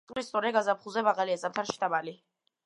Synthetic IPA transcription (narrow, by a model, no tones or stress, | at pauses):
ɾist̪sʼɔɾɛɡazapχuzɛmaʁaliazam̚t̪ʰanʃid̪amali